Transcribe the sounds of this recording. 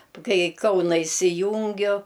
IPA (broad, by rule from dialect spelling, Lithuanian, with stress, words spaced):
ˈkɐɪ ɪ ˈkɐʊnɐ ɪsʲɪˈjuːŋʲɡʲʊ